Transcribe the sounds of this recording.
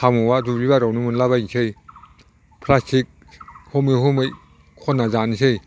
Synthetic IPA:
amuwadubiβaɾawnumunlabajsʰɯj | pʰlastʰik̚ | hɔmɯɦɔmɯj | kʰɔnːazanisɯj

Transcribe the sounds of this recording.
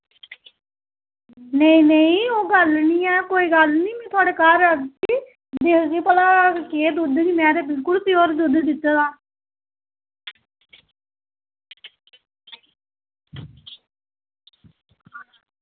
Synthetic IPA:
neĩːneĩːoːɡəlniːɛːkoːiːɡəlniːmɛ̃ːt̪ʰʊaːɽeːkaːɾːəksiː | d̪eːkɡiːpəlaːkeːd̪ʊd̪ɡimɛ̃ːd̪eːbɪlkʊlt̪ɪjoːɾd̪ʊd̪d̪ɪt̪ːed̪aː

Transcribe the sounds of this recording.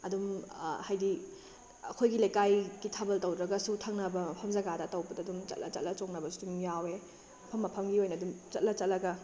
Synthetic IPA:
ɐdumhajdi | ɐkʰojɡilajkajɡitʰabɐltɐwdɾɐɡɐsutʰɐŋnɐbɐmɐpʰɐmzɐɡadɐtɐwbɐdɐdumt͡ʃɐ̰t̚lʔɐ̰t͡ʃɐ̰t̚lɐt͡ʃoŋnɐbɐsu̥dumjawe | ɐpʰɐmːɐpʰɐmɡiojnɐdumt͡ʃɐt̚lɐt͡ʃɐt̚lɐɡɐ

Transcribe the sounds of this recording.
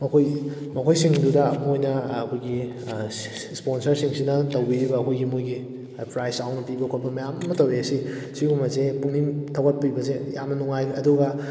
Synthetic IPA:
mɐkʰoj | mɐkʰojsiŋdudɐmojnɐːkʰojɡi | sponsɐɾsiŋsinɐtowbiɾibɐːkʰojɡimujɡi | pɾajsawnɐpibɐkʰojbɐmɐjamɐmɐtɐweɐsisiɡumɐzepuŋnimtʰɐwɡɐt̚pibɐzejamnɐnuŋajɐduɡɐ

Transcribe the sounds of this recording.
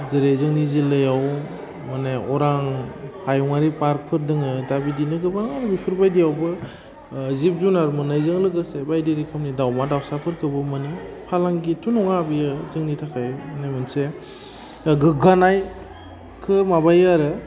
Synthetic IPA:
zɯɾezɯŋnizilɯjaw | manaɔɾaŋhajɔŋaɾipaɾ̚pʰɯɾdɯŋɯdabidinɯɡɯbaŋaɾbipʰɯɾbajdijawbɯ | zip̚zunaɾmɯnajzɯŋlɯɡɯsebajdiɾikʰɯmnidawmadawsapʰɯɾkʰɯbɯmɯnipʰalaŋɡitʰunɔŋabijɯzɯŋnitʰakʰajnajmɯnse | ɡɯɡanaj | kʰɯmabajaɾɯ

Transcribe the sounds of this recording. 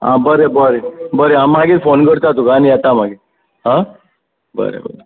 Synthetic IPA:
ɦã̰bəɾebəɾebəɾeamaɡifonkəɾt̪at̪okaːnijɛt̪am̤aɡi | ɦã | bə̰ɾḛbə̰ɾe

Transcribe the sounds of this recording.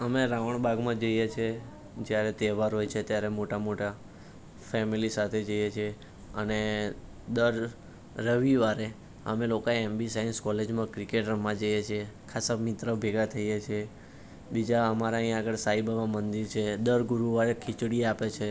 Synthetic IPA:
əmeɾaʋəɳ̃baɡmãd͡ʒəjet͡ʃʰe | d͡ʒjaɾet̪ɛʋaɾɦojt͡ʃʰet̪jaɾemoʈamoʈa | fɛmilisat̪ʰed͡ʒəjet͡ʃʰe | əne | d̪əɾː | əʋiʋaɾe | ə̰melokaeembisainskɔled͡ʒmãkɾikeʈɾəmãd͡ʒəjet͡ʃʰiekʰasamit̪ɾəbʱeɡat̪ʰəjet͡ʃʰie | bid͡ʒaəmaɾaɦĩaɡəɭsaibaʋãmənd̪iɾt͡ʃʰed̪əɾɡuɾuʋaɾekʰit͡ʃɽiapet͡ʃʰe

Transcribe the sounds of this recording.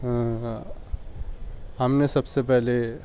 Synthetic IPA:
ɦ | ɦəmnesəbsepɛɦle

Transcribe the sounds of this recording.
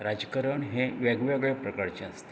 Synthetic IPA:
ɾad͡ʑkəɾəɳɦẽʋaɡʋaɡɭepɾəkaɾt͡ɕeast̪

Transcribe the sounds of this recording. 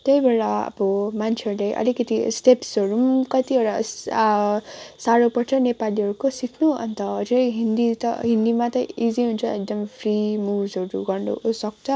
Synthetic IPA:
t̪ʌibeɭaʌ̰bʌmant͡sʰeɦʌɾulejʔʌ̰likʌt̪ist̪epsʌɾumkʌt̪iʌɾʌs | saɾopʌʈʰʌnepaliʌɾukosikʰnuʌ̰nt̪ʌːd͡zʌɦind̪it̪ʌ̰ɦind̪imat̪ʌiziɦunt͡sʰʌek̚d̪ʌmpʰrimubd͡zʌɾṵɡʌrnṵsʌk̚t͡sʰʌ

